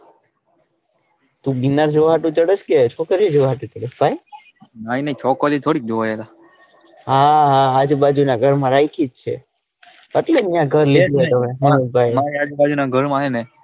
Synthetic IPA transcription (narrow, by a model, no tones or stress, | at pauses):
t̪ũbinaɾd͡ʒoʋɦaʈũt͡ʃəɽət͡ʃket͡ʃʰokəɾid͡ʒoʋɦaʈũt͡ʃəɽəsbʱaj | mainəĩt͡ʃʰɔkəlit̪ʰoːɽik̚d͡ʒoʋajela | ɦaɦaːd͡ʒbad͡ʒunaɡʱəɾmãɾajkʰid͡ʒt͡ʃʰḛ | əʈlenjãɡʱəɾliɡ̪ʱjot̪əmeɦabʱajmaiad͡ʒbad͡ʒunaɡʱəɾmãɦene